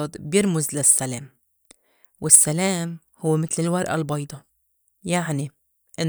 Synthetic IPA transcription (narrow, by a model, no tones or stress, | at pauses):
d̪bjɪɾmʊzlasːaleːm | wɪsːaleːm | hʊwːmɪt̪lɪlwɑɾˤʔa̰lbɑjd̪ˤɑ | jaʕni | ʔɪn